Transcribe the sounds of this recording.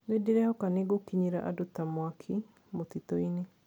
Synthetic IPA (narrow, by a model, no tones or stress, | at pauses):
nediɾɛhɔkaneɡokiɲiɾaʔadotamwakʰi | motitoine